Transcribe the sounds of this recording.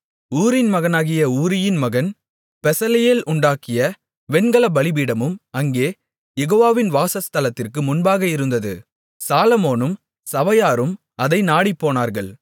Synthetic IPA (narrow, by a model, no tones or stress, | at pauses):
uːɾɪnmɐɣɐnaːɣɪjɐuːɾɪjɪnmɐɣɐn | pɛsɐlɐjeːlʔʊɳɖaːkɪjɐ | ʋɛnɡɐɭɐbɐɭɪbiːɽɐmɯmɐŋɡeː | jɛɣoːʋaːʋɪnʋaːsɐst̪ɐlɐt̪ːɪrkɯmʊnbaːɣɐɪɾɯnd̪ɐðɯ̰ | saːlɐmoːnɯm | sɐʋɐjaːɾɯm | ɐðɐɪnaːɽipːoːnaːɾɣɐɭ